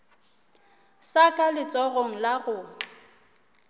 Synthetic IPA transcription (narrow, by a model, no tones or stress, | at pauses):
sakʼalɪt͡sʼɔɣoŋ̩laɣʊ